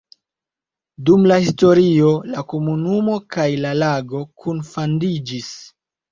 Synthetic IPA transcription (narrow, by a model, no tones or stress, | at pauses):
dumlahisto̞ɾio̞lako̞munumo̞kajlalaɡo̞kʰunfandid͡ʒis